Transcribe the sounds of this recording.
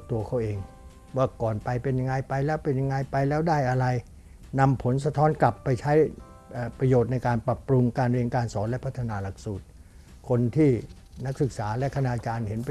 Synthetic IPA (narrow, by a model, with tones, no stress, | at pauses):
k̚t̪u˧ɐkʰa˦˥˩wʔeː˧ŋ | waː˥˩kɔː˨˩npa˧jpe˧nja˧ŋa˧jpa˧jlɛː˦˥wpe˧nja˧ŋa˧jpa˧jlɛː˦˥wdaː˥˩jʔa˧ɾa˧j | na˧mpʰo˩˦ns̬a˧t̪ʰɔː˦˥nkla˨˩pːa˧jt͡ɕʰa˦˥j | ʔaː˨˩pɾa˧joː˨˩t̪̚na˧jkaː˧npɾa˨˩pːɾu˧ŋkaː˧nɾi˧əŋkaː˧nsɔː˩˦nlɛ˦˥pʰa˦˥t̪ʰːa˧naː˧la˨˩k̚suː˨˩t̪̚ | kʰo˧nt̪ʰiː˥˩ | na˦˥k̚sɯ˨˩k̚saː˩˦lɛ˦˥kʰa˧naː˧t͡ɕaː˧nɦe˩˦np